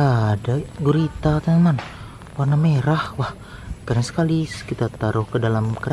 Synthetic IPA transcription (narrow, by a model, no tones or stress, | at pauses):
adaɡuɾit̪at̪anman | warnameɾahwah | kaɾaŋsə̥kaliskit̪at̪aɾʊhkədalamkəɾa